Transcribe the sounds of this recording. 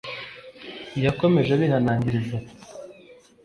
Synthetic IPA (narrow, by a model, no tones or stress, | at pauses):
jako̞me̞ʒeβihanaːɲɟiɾize